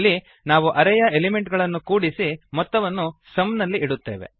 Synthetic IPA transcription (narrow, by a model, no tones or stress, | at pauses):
lːi | naːʋuʔɐɾɛjɐelime̞ɳʈɡɐɭɐnːukuːɽisimɔt̪ːɐʋɐnːusɐmnɐlːiʔiɽut̪ːe̞ːʋe̞̰